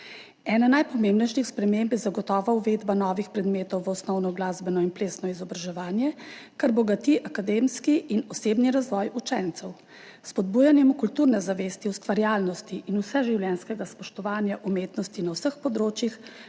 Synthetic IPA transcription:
ɛːnanajpɔmembnɛjʃixspɾɛmembjɛzaɡɔt̪ɔːʋauʋed̪banɔːʋixpɾɛd̪meːt̪ɔwʋəɔsnɔwnɔɡlaːzbɛnɔinpleːsnɔizɔbɾaʒɛʋaːnjɛkaɾbɔɡat̪iʔakad̪emskiʔːnɔseːbniɾazʋɔːjut͡ʃɛnt̪sɛw | spɔd̪̚buːjanjɛmukult̪uɾnɛzaʋeːst̪iust̪ʋaɾjaːlnɔst̪iʔinusɛʒiwljɛnskɛɡaspɔʃt̪ɔʋaːnjaʔumeːt̪nɔst̪inawsəxpɔd̪ɾoːt͡ʃjix

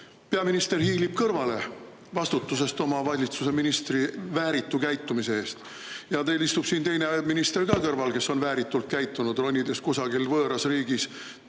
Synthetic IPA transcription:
peɑminist̪e̞rhiːlib̥̚kɤrvɑle̞ | vɑst̪ut̪ːˑus̬e̞st̪o̞mɑvɑlʲit̪suse̞minist̪rivæːɾit̪ːˑukæjt̪ːˑumise̞e̞ːst̪ | jɑt̪elist̪ub̥siːnt̪e̞jneminist̪e̞rkɑkɤrvɑlke̞sːo̞nvæːɾit̪ːˑult̪̚kæjt̪ˑːunud̪̥ro̞nʲːid̪e̞skusɑɡilvɤːɾɑsriːɡis

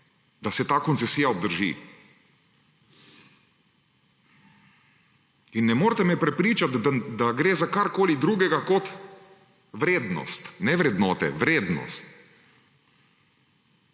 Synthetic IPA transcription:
d̪asɛt̪aːkɔnsɛsiːjaɔb̚d̪əɾʒḭ | inːɛmoːɾt̪ɛmɛpɾɛpɾiːt͡ʃat̪d̪aɡɾeːzakaɾkoːlid̪ɾuːɡɛɡakɔt̪ | ʋɾeːd̪nɔ̰st̪nɛʋɾɛd̪nɔːt̪ɛ̰ʋɾeːd̪nɔ̰st̪

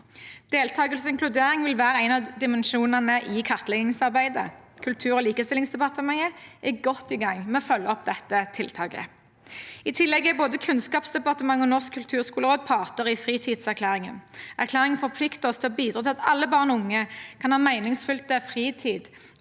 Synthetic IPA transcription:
d̪̥eːlt̪ʰɑːɡəlsɪŋklʉd̪eːʁɪŋʋɪlʋæːʁəæɪnɑd̪ɪmənʃuːnənəʔɪkʰɑʁt̪lɛɡɪŋsɑʁbæɪd̪ə̰kʰʉlt̪ʰʉːʁɔːliːkəst̪ɪlɪŋsd̪ɛpɑʁt̪əmɑŋəʔɪɡɔt̪ːɪɡɑŋmɛɔfœlːəɔp̚d̪ɛt̪ːət̪ʰɪlt̪ʰɑːɡə̰ | ɪt̪ʰɪlːɛɡɪboːd̪əkʰʉnskɑːpsd̪ɛpɑʁt̪əmɑŋːɔnɔʁskʰːʉlt̪ʰʉːʁskuːləʁoːd̪̚pʰɑːʁt̪əʁɪfʁiːt̪ʰiːd̪sæʁkʰlæːʁɪŋə̰nʔæʁkʰlæːʁɪŋfɔʁpʰlɪkt̪əɔst̪ʰɪɔbiːd̪ʁɑt̪ɪlɑt̪ɑ̰lːəbɑːʁnʊŋːəkʰɑnhɑːmæɪnɪŋsfʉlt̪̚əfʁiːt̪ʰiːd̪

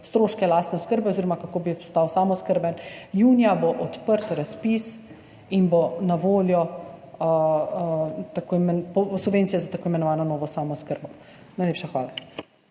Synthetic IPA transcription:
st̪ɾoːʃkɛlast̪nɛoskəɾbɛɔziːɾɔmakakoːbipɔ̥st̪awsamɔskəɾbɛnjuːnjaboʔɔt̪pəɾt̪ɾaspis | inbonaʋoːljɔ | t̪akomɛpɔsuʋeːnt̪sijɛzat̪akoːimɛnɔʋaːnɔnɔːʋɔsamɔskəɾbɔ | najlepʃaxʋaːla

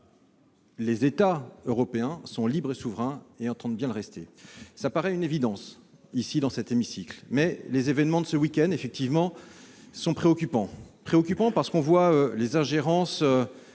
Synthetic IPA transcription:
lezet̪aøʁɔpeɛ̃sɔ̃libʁesuvʁɛ̃eɑ̃t̪ɑ̃d̪̚bjɛ̃ləʁɛst̪esapaʁɛynevid̪ɑ̃s | isid̪ɑ̃sɛt̪emisiklmɛlezevɛnmɑ̃d̪əsəwikʲɛnd̪efɛk̚t̪ivmɑ̃ | sɔ̃pχeɔkʲypɑ̃pχeɔkʲypɑ̃paʁsə̥kɔ̃vwaølezɛ̃ʒeʁɑ̃sø

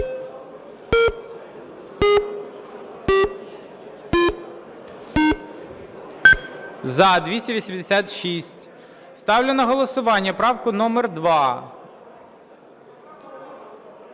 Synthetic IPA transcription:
zɐd̪ʲʋʲisʲtʲɐʋʲisʲimd̪esʲat̪ʃisʲtʲ | st̪ɑwlʲɪnɐɦɔlˠɔsʊʋɑnʲːɐpɾɑwkʊnɔmɛrd̪ʋɑ

